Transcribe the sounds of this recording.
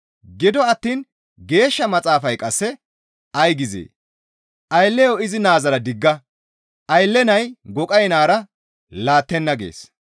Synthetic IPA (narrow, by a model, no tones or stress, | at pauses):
ɡɪd̪ɔɐt̪ːiːn | ɡe̞ːʃːɐmɐt͡sʼaːfɐjkʼɐsːɛ | ʔɐjɡɪzḛː | ʔɐjlːɛjoɪzɪnaːzɐɾɐd̪ɪɡːɐ | ʔɐjlːɛnɐjɡɔkʼɐjnaːɾɐ | laːt̪ːɛnːɐɡḛːs